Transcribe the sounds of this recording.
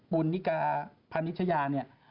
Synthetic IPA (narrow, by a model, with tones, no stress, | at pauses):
ɓu˧nːi˦˥kaː˧pʰa˧ni˦˥t̪ʰːa˧jaː˧ni˥˩ɐ